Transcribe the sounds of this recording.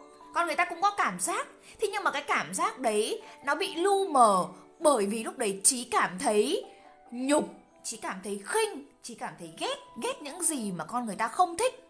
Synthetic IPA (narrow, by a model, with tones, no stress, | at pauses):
kɔ˧nɨ˨˩jt̪aː˧kʊ̰˧˥ŋ͡mkɔ˨˦kaː˧˩mzaː˦˥k̚ | t̪ʰi˨˧ɲɨ˧ŋmaː˨˩kaː˨˦jkaː˧˩mzaː˦˥k̚ɗə˨˦jnɔ˨˦ɓḭ˧˨lu˧məː˧˩ɓəː˧˩jvi˨˩lʊ˦˥k͡p̚ɗə˨˦jt͡ɕi˨˦kaː˧˩mt̪ʰə˨˦j | ɲʊ˨˩k͡p̚ | t͡ɕi˨˦kaː˧˩mt̪ʰə˨˦jxï˧ŋ̟t͡ɕi˨˩˦kaː˧˩mt̪ʰə˨˦jɣɛ˦˥t̚ɣɛ˦˥t̚ɲɨ̰˧˥ŋzi˨˩maː˨˩kɔ˧nŋɨ˨˩əjt̪aː˧xə˧wŋ͡mt̪ʰï˦˥k̟̚